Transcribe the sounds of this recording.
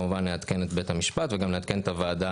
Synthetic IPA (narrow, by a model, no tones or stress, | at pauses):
muvanleat̪ke̞net̪be̞t̪hamiʃpat̪veɡamleat̪ke̞net̪avaːd̪a